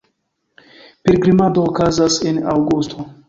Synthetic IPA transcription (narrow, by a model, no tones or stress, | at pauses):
peɾɡɾimad̪oːkazasenawɡust̪ʰo